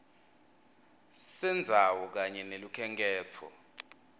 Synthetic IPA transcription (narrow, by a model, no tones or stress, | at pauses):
sɛnd͡zʱawɔk̬aɲɛnelukʰɛŋɡʼɛːt͡fʰɔ̰